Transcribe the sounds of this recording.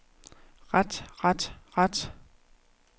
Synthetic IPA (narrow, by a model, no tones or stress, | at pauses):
ʁad̥ʁad̥ʁad̥